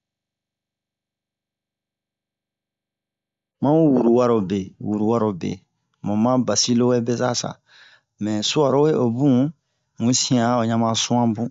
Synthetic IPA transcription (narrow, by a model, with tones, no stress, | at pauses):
mã˦u˦wu˨ɾu˨wa˦ɾo˨be˨wu˨ɾu˨wa˦ɾo˨bḛ˨ | mɔ̃˨mã˦ba˨si˦lo˦we˦bɛ˦sa˦sa̰˨ | mɛ̃˨su˦a˨ɾo˦we˦ʔo˨bũ˦ | mũ˨˦sĩ˦ã˦o˨ɲa˦mã˦sũ˦ã˦bũ˦